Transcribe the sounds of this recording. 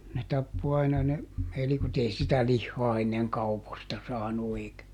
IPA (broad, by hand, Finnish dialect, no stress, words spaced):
ne tɑpːo ɑinɑ ne elikot ei sitæ lihːɔɑ enːeŋ kɑupostɑ sɑːnu eˑikæ